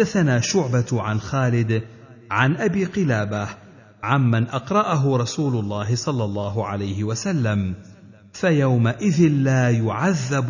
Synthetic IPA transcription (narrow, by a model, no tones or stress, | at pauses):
d̪ːaθanaːʃʊʕbaʕanxaːlɪd̪ | ʕanʔabiːqɨlaːbah | ʕanmanʔɑqɾˤɑʔaɦʊɾˤɑsuːlʊlˤːɑːɦɪsˤɑlːɑlˤːɑːɦʊʕa̰lajhɪwasalːam | fajawmaʔɪðɪnlaːjʊʕaðːab